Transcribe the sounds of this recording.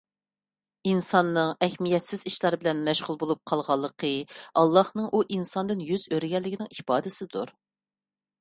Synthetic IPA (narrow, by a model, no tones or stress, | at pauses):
insɑnːɨŋɛhmijɛt̪sɪziʃlˠɑɾbɪlɛnmɛʃʁʊlˠbolˠup̚qʰɑlˠʁɑlˠːəqʰəɑlˠːɑhnɨŋʔuʔinsɑnd̪ɨnjyzøɾɡʲɛlːɪkʲinɪŋipɑːd̪ɨsɪd̪uɾ